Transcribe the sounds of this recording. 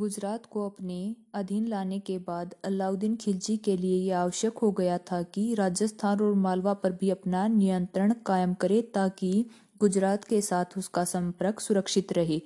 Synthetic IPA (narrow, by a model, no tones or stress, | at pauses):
ɡʊd͡ʒɾaːt̪koɐpneɐd̪ʱinlaːnekebaːd̪laːʊd̪ɪnkʰɪld͡ʒikeliejeaːʋəʃjəkɦoɡɐjat̪ʰakiɾaːd͡ʒjəst̪ʰaːnɔːɾmaːlʋapɐɾbʱiɐpnanijə̃nt̪ɾəɽ̃kaːjəmkɐɾet̪aːki | ɡʊd͡ʒɾaːt̪kesaːt̪ʰʊskasɐ̃mpəɾəksʊɾəkʃɪt̪ɾɐɦeː